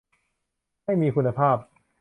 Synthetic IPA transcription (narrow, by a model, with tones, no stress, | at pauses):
ha˥˩jmiː˧kʰu˧nːa˧pʰaː˥˩p̚